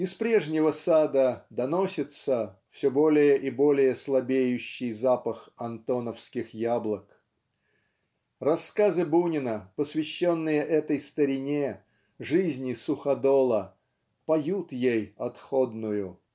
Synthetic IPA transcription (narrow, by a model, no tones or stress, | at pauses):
ɪspɾʲe̞ʐnʲɪvəsad̪əd̪ɐno̞sʲɪt̪səfsʲɵbo̞lʲɪjəʔɪbo̞lʲɪjəslˠɐbʲejʉɕːɪjzapəxɐnt̪o̞nəfskʲɪxjablˠək | rɐskazɨbunʲɪnəpəsvʲɪɕːo̞nːɨjəʔɛt̪əjst̪əɾʲɪnʲe | ʐɨzʲnʲɪsʊxɐd̪olˠə | pɐjut̪jejɐt̪xo̞d̪nʊjʊ